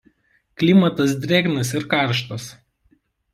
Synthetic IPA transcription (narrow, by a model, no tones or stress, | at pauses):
klʲɪmɐt̪ɐs̬d̪ʲɾʲeːɡnɐsɪɾkɑˑɾʃt̪os